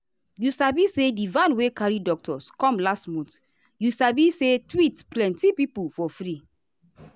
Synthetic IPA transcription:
jusabisedivãnwekaɹidɔk̚tʰɔskɔ̃mlastmɔ̃nt | jusabisetwitplɛ̃ntipipufɔfɾi

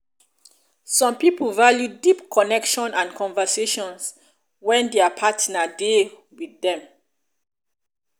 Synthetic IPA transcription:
sɔ̃mpipəlvaljudipkʰɔnɛkʃɔ̃nãnkʰɔ̃nvəseʃɔ̃ns | wɛ̃ndɛapʰatnade | wiðdɛ̃m

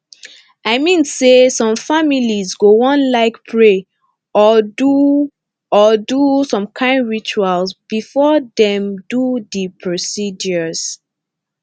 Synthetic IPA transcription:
aɪmĩnsesɔ̃mfamilizɡoɔ̃nlaɪkpʰɹe | ɔdu | ɔdusɔ̃mkʰãɪ̃ndɹit͡ʃualsb̥ifɔdɛ̃mdudəpʰɹosid͡ʒɔz̥

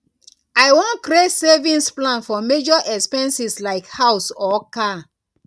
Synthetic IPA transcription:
ajwɔ̃nkɾesɛvĩnsplãnfɔmed͡ʒɔʔɛkspɛ̃nsislaɪkhawsɔka

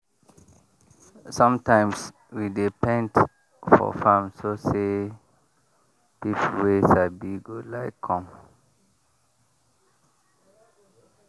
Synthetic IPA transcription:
sɔ̃mtãɪ̃ms | widepɛ̃nd | fɔ̰fãmsose | pipwesabiɡolaɪkʰːɔ̃m

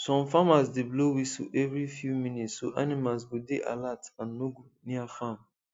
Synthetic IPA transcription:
sɔ̃mfamasdeblowisṵʔɛvɹifjumĩnitsːoʔanimals̬ɡodeʔa̰latãnːoɡuniafam

